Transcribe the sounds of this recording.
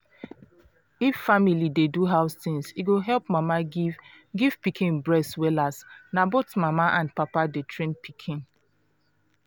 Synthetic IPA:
ifːamilideduɦaʊstĩŋsiɡoɦɛlpmama | ɡiv̥pikʰĩnbɹɛswɛlasnabotmamaʔãndpapadetʰɹẽnpʰikʰĩn

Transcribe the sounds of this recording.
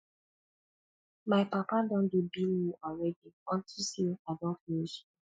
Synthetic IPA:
maɪpapadɔ̃ndubiljuʔɔlɹɛdiɔ̃ntʰusiadɔ̃nfiʃ

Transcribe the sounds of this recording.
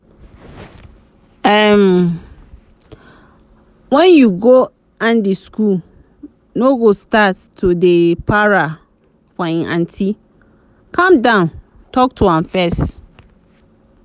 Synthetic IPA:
ɛm | wɛ̃njuɡo | ãndiskul | noɡostatʰːudepʰaɹa | fɔĩnʔã̰ntʰi | kʰãmdãʊ̃n | tʰɔk̚tʰuãnfɛst

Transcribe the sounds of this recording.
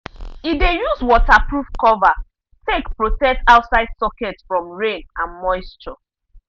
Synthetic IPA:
idejuzwɔtapɹufkɔva | tekpɹotɛk̚taʊtsaɪd̥sɔkɛtfɹɔ̃mɹẽnãnmɔɪstɹɔ

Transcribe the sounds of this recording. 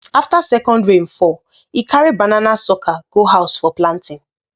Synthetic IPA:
aftasɛkɔ̃ndɹẽnfɔ | ikʰaɹibananasɔkʰaɡ̥oɦaʊsfɔplãntʰɪ̃n

